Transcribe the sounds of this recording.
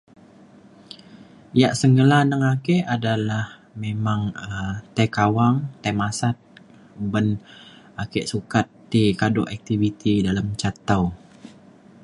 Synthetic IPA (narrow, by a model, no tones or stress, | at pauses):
jaʔsəŋɡəlanəŋakɛʔadalahmemaŋət̪ajkawaŋt̪amasat̪̚ | bən | akɛʔsukat̪ːikadʊʔɛk̚t̪ivit̪idalamt͡ʃat̪aw